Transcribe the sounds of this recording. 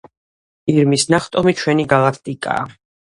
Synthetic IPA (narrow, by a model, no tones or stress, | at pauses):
iɾmisnaχt̪ʼɔmit͡ʃʰwɛniɡalˠakʰt̪ʼikʼa̰ː